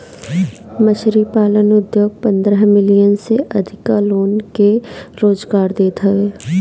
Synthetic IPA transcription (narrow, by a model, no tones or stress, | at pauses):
məʃɾipaːlənʊd̪joːɡ̚pɐ̃nd̪ɾəɦmɪlijənseʔɐd̪ʱɪkaloːnkeɾoːzɡaːɾd̪eːt̪ɦɐeː